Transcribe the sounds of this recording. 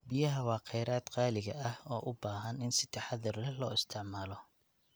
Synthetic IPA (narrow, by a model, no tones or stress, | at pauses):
bɪjɐɦɐwɑːqɛjɾaːd̪qɑːlɪɣɐɐhɔːʔʊbaːɦɐnɪnsɪ̥t̪ʰɑħɑðɐrɛlɔːɪst̪ʰɪʕmaːlɔ